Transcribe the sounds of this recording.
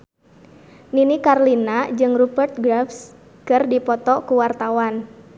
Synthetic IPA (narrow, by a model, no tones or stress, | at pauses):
ninikarlinad͡ʒɨŋrubərt̪̚ɡɾafs | kɨrdipɔt̪ɔkuwart̪awan